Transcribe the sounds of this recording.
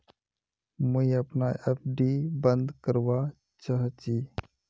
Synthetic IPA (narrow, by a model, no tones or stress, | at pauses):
muiəpnaepʰɖibə̃nd̪kəɾʋa | t͡ʃaɦt͡ʃi